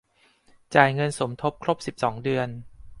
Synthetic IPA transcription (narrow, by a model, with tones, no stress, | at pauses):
t͡ɕaː˨˩jŋɤ˧nso˩˦mt̪ʰo˦˥p̚kʰɾo˦˥p̚si˨˩p̚sɔː˩˦ŋdɯ˧ən